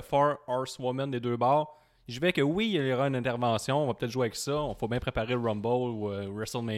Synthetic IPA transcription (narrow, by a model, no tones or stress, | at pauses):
fɔɹɑɹswɔmɛ̃nd̪ed̪øːbɑːʁ | ʒivɛkəwiəlɔʁaynɛ̃t̪ɛʁvɑ̃ːsjɔ̃ɔ̃vapøt̪ɛt̪ʒweavɛksʌɔ̃fobjɛ̃pχepaʁelʁɔ̃mbɔluəɹɛsəlme